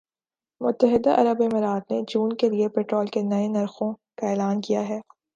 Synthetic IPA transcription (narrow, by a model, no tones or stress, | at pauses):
mʊt̪ːəɦɪd̪aʔɐɾəbemɪɾaːd̪ned͡ʒuːnkeliepɛːʈɾoːlkenɐenɐɾxõkaeːlaːnkijaɦɛː